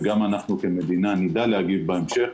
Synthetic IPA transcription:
ɡamanaχnukeme̞d̪inanid̪alehaɡivbaemʃe

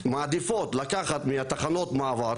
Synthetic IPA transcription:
maːd̪ifo̞t̪lakaχat̪miat̪aχano̞t̪maːvaɾ

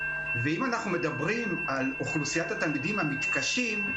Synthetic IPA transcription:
veimanaχnume̞d̪abʁimaluχlusijat̪at̪almidimhamit̪kaʃim

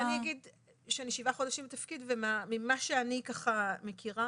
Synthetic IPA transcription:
aniaɡid | ʃeaniʃivaχodaʃimbetafkidvemamimaʃeanikaχamekʰiʁa

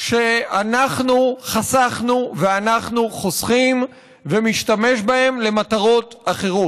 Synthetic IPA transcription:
ʃe̞anaχnuχasaχnuveanaχnuχo̞sχim | vemiʃtame̞ʃbahe̞mle̞mataʁo̞taχe̞ʁot

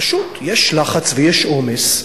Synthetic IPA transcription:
ʃut̪jeʃlaχat͡svejeʃʔomes

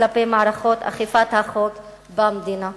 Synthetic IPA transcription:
lapejmaʕaɾaχo̞t̪a̰χifat̪haχok | bamd̪ina

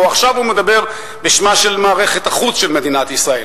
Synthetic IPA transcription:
oaχʃavhume̞d̪abe̞ʁ | beʃmaʃe̞lmaːʁe̞χe̞t̪aχut͡sʃe̞lme̞d̪inat̪isʁae̞l

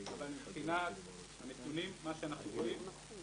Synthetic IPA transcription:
avalmχinat̪ | anet̪unimːaʃeanaχnuχolim

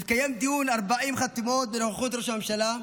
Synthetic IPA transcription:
kajemd̪ijunaʁbaʔimχat̪imot̪̚beloχeχut̪ɾoʃamemʃala

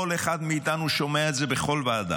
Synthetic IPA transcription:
oleχad̪miit̪anuʃo̞meaetze̞beχo̞lvaːd̪a̰

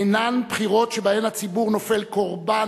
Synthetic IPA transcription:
nanpχiʁo̞tʃebaemhat͡sibuʁno̞felkoʁba

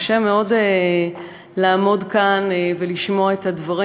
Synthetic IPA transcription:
ʃemeo̞de | laːmo̞dkanveliʃmo̞aet̪advaʁi

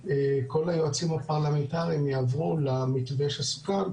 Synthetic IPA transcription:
eko̞lajo̞at͡simapaʁlamentaʁimjaavʁulamitveʃasu̥kal

